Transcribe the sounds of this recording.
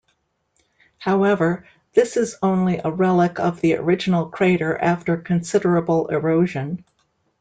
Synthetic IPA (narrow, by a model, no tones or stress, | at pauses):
haʊɛvə˞ | ðɪsɨzõʊ̃nliʔəɹɛlˠəkʌvðiə̰˞ɪd͡ʒɨn̩l̩ˠkʰɹ̥eɪɾə˞ʔæftə˞kʰɨ̃nsɪɾə˞əbl̩ˠɪɹoʊʒɨ̃n